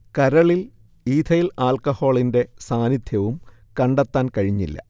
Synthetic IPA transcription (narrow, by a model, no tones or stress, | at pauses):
kɐɾɐɭil | iːd̪ʰʱɐjilaːlkɐho̞ːɭinde̞saːnid̪ʱʰjɐʋum | kɐɳɖet̪ːaːnkɐɻiɲːḭlːɐ̰